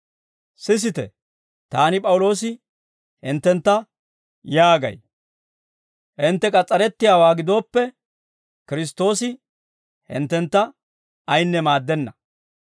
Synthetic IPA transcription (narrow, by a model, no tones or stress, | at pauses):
sɪs̬ɪt̪ɛ̰ | t̪aːnɪpʼɐwʊlo̞ːs̬ɪ | hɪnt̪ːɛnt̪ːɐ | jaːɡɐ̰j | hɪnt̪ːɛkʼɐt͡sʼːɐɾɛt̪ːɪjaːwaːɡɪd̪o̞ːpːɛ | kɪɾɪs̬t̪o̞ːsɪ | hɪ̰nt̪ːɛnt̪ːɐ | ɐjnːɛmaːd̪ːɛnːɐ